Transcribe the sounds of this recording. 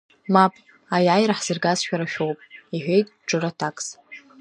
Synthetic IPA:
mapʼ | ajajɾaħz̥ɨrɡazʃᶣaɾaʃᶣowpʼiħʷᶣe̞jtʼʈ͡ʂʼɨratʰakʼs

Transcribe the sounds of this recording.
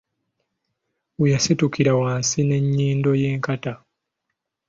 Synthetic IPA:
ujasitukiɾawaːnsine̞ɲːiːndo̞je̞ːŋkata

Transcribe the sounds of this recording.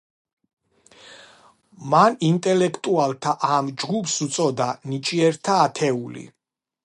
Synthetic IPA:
manint̪ʼɛlɛkʰt̪ʼualˠt̪ʰaʔamd͡ʒɡupʰsut̪sʼɔd̪anit͡ʃʼiɛɾt̪ʰaːt̪ʰɛulḭ

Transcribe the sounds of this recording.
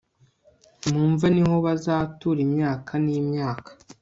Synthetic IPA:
muːɱvaniɦo̞βazaːtuɾimɲaːkʰaniːmɲaːkḁ

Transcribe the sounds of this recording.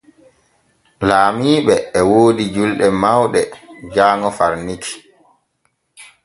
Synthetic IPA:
laːmiːɓɛːwoːdid͡ʒulɗɛmawɗɛd͡ʒaːŋɔfaɾnikʰi̥

